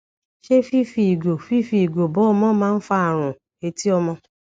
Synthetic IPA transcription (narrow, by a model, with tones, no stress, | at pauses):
ʃe˦fi˦fi˧i˨ɡo˨fi˦fi˧i˨ɡo˨bɔ˨˦ɔ˧mɔ̃˦mãː˦˧n̩˦fa˧a˨ɾ̃ũ˨ | e˧ti˦ɔ˧mɔ̃˧